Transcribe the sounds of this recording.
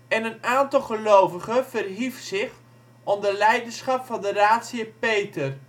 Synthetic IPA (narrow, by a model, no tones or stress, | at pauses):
ɛnənaːntɑlˠχəlowvəχəvərɦifsɪχ | ɔndəlɛjdəsχɑpfɑndəraːtsiəpejtər